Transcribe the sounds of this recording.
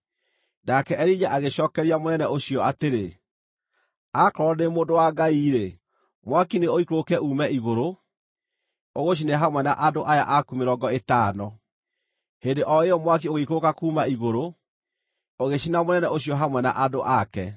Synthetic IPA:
nakɛʔɛɾid͡ʒaʔaɣeɕɔːkɛɾiamonɛnɛoɕiɔateɾe | akɔɾɔnemoːndowaɡaiɾe | mwakineoikokɛʔuːmɛiɣoɾo | oɣoɕ̬ineɦamwɛna̰ʔadoʔaja̰ʔakumeɾɔɡɔetaːnɔ | hendeʔɔeɔmwak̬ioɣeikokakuːmaiɣoɾo | oɣeɕinamonɛnɛoɕiɔɦamwɛna̰ʔadoʔakɛ

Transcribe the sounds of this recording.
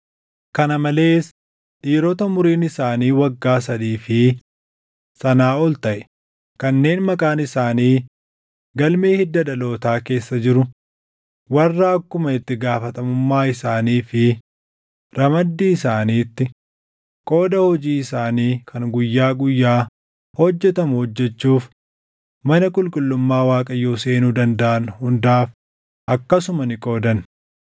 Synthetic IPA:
kɐnɐmɐle̞ːs | ᶑiːɾɔt̪ɐmʊɾiːnɪsaːniːwɐɡːaːsɐd̪iːfɪ | sɐnaːɔlt̪ɐʔɛ̥ | kɐnːe̞ːnmɐkʼaːnɪsaːniː | ɡɐlme̞ːhɪd̪ːɐᶑɐlo̞ːt̪aːke̞ːsːɐd͡ʒɪɾʊ | wɐrːaɐkːʊmɐɪt̪ːɪɡaːfɐt̪ɐmʊmːaːɪsaːniːfɪ | ɾɐmɐd̪ːiːɪsaːniːt̪ːɪ | kʼo̞ːd̪ɐhɔd͡ʒiːɪsaːniːkʰɐŋɡʊjːaːɡʊjːaː | hɔd͡ʒːɛt̪ɐmʊhɔd͡ʒːɛt͡ʃːuːf | mɐnɐkʼʊlkʼʊlːʊmːaːwaːkʼɐjoːse̞ːnuːd̪ɐnd̪ɐʔɐnʊhʊnd̪aːf | ʔɐkːɐsʊmɐnɪkʼo̞ːd̪ɐn

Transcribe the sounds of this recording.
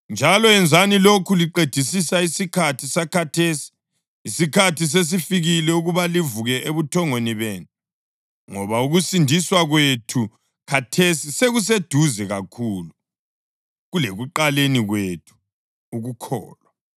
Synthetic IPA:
nd͡ʒʱalɔɛnd͡zʱanilokʰuliǃed̥ʱisisaisikʰatʰisakʰatʰeːsi̥ | isikʰatʰis̬es̬ifiɣilɛuɣuβalivuɣɛʔeβutʰɔŋweniβeːnu | ŋɔβauɣusindʱiswaɣwetʰu | kʰatʰesiseɣus̬ed̥ʱuzɛɣakʰuːlu | ɣuleɣuǃaleniɣwetʰu̥ | uɣukʰɔ̰ːlwa

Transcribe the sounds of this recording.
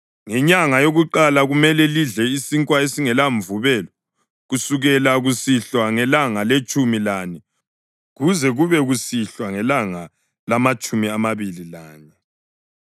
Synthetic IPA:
ŋɛɲaŋajoɣuǃalaɣumɛlɛliɮɛisiŋkʼwaesiŋɛlaɱvuβɛlɔ | ɣusuɣɛlaɣusiɬwaŋɛlaŋalet͡ʃʼumilani | ɣuzɛɣuβɛɣusiɬwaŋɛlaŋa | lamat͡ʃʼumiamaβililaːɲɛ

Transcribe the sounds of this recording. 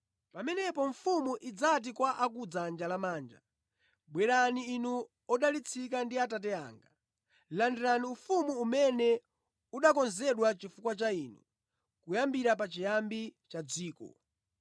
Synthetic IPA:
pamɛnɛpɔɱ̩fumuʔid͡zat̬ikwaʔak̬ud͡zand͡ʒalamaːnd͡ʒa̰ | ɓwɛɾaniːnu | ɔɗalit͡sʰikandiatat̬ɛa̰ːŋɡa | landiɾaniufumuːmɛnɛ | uɗakɔnzɛɗwat͡ʃifukwat͡ʃaiːnṵ | kujambiɾap̬at͡ʃijambit͡ʃad͡ziːkɔ̰

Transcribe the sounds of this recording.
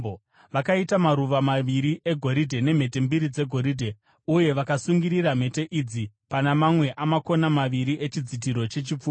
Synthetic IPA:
ʋakaitamaɾuʋamaʋiɾiʔe̞ɡʱo̞ɾidʱe̞ne̞m̤e̞t̬e̞mbiɾid͡ze̞ɡʱo̞ɾidʱe̞ | uje̞ʋakasuŋɡiɾiram̤e̞te̞ʔid͡zi | panamamwe̞ʔamako̞namaʋiɾiʔe̞t͡ʃid͡zit̬iɾo̞t͡ʃe̞t͡ʃip͡fu

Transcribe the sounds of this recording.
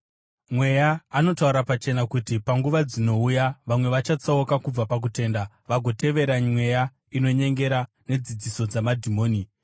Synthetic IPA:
mwe̞jaːno̞tauɾapat͡ʃe̞nakutipaŋɡuʋad͡zino̞ujaʋamwe̞ʋat͡ʃat͡saokakub͡vapak̬ute̞ːnda | ʋaɡʱo̞te̞ʋe̞ɾamwe̞ja | ino̞ɲe̞ŋɡe̞ɾa | ne̞d͡zid͡ziso̞d͡zamadʱimo̞ːni

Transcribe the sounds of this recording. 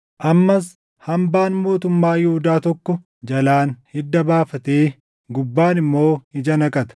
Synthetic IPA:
ʔɐmːɐs | hɐmbaːnmo̞ːt̪ʊmːaːjɪhʊd̪aːt̪ɔkːɔ | d͡ʒɐlaːnhɪd̪ːɐbaːfɐt̪eː | ɡʊbːaːnɪmːo̞ːɪd͡ʒɐnɐkʼɐt̪ɐ̥

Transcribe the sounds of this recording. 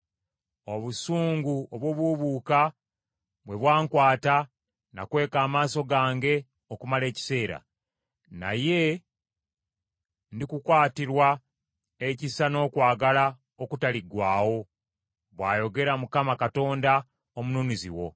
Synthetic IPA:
o̞βusuːŋɡuoβwo̞ːβwuβuːka | βwe̞βwaːŋkwaːta | na̰kwe̞ːkaːmaːso̞ɡaːŋɡe̞ | okumale̞ːci̥se̞ːɾa̰ | na̰je̞ | ndikukwaːtiɾwa | ecisano̞ːkwaːɡala | o̞kutaliɡwaːwo̞ | βwaːjo̞ɡe̞ɾamukamakato̞ːnda | omunuːnizḭwo̞̰

